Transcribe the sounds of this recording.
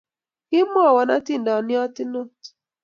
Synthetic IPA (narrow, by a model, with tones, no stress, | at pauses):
kɪ˦mɔ˦˨wɔ˨na˦ti˦˨n˨dɔ˨nɪ˦ɔ˦tɪ˦no˦˨t